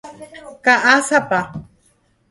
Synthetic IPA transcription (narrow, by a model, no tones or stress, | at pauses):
kaʔasapa